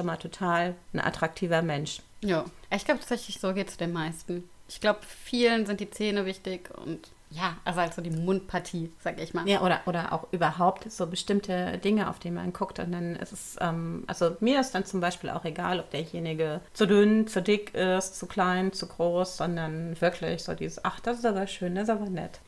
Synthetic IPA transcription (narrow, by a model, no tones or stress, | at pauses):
ʃomaːltʰotʰaːln̩ʔa̰tʁ̥ak̚tʰiːvɐmɛnʃ | jaːʔaɪçɡlaʊbətʰaːtt͡sɛçlɪçz̥oːɡeːtt͡sudeːnmaɪstn̩ | ʔɪçɡ̥laʊbəfiːlənzɪntd̥iːt͡seːnəvɪçtɪçʊ̰nt | jaːʔʔalzohaltz̥oːdiːmʊnt̚pʰaɐtʰiːz̥aːɡəɪçmaːljaːʔoːɾɐʔoːɾɐʔa̰ʊxʔyːbɐɦaʊp̚tz̥oːbəʃtɪmtʰədɪŋəʔa̰ʊfd̥iːnma̰nɡʰʊktʊ̰ntd̥anɪ̰stɛsʔɛ̰ːmʔa̰lzomiːɐɪstd̥ant͡sʊmbaɪʃpiːlʔa̰ʊxeɡa̰ːlɔp̚d̥eːɐjeːnɪɡət͡sudʏnt͡sudɪkʰɪstt͡sukl̥aɪnt͡suɡʁoːsz̥ɔndɐnvɪɐkʰlɪ̰çz̥o̰ːdḭːzəsʔaχd̥asɪs̬taːbɐʃøːndasɪstaːbɐnɛ̰t